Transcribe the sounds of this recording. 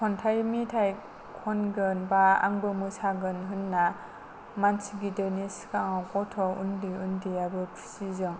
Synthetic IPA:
kʰɔntʰajmitʰaj | kʰɔnɡɯnbaa̰ŋbɯmɯsaɡɯnɦɯnːa | mansiɡidɯniskaŋakɔtʰɔundiundijabɯpʰi̥sizɯŋ

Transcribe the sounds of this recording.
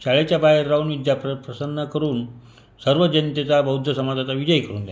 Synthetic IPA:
ɕaɭet͡ɕjabajəɾːaunʋid̪jappɾəsənːəkəɾuːn | səɾʋəd͡ʑənt̪et͡sabəɦud̪ʱjəsəmad̪ʱat͡saʋid͡ʑəjkəɾuːnd̪ja

